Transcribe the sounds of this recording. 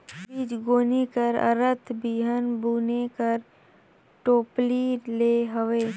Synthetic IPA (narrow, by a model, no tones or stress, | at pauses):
iːd͡ʒɡoːnikəɾə̰ɾət̪ʰbiːɦənbuːnekəɾ | ʈoːplileːɦəʋeː